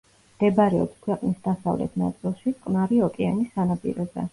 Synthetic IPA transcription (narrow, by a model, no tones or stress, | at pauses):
d̪̥ɛbaɾɛɔpskʰwɛqʼnisd̪asa̰vlɛ̰t̪ʰna̰t̪sʼilˠʃikqʼnaɾiɔkʼɛanisanapʼḭɾɔzɛ̰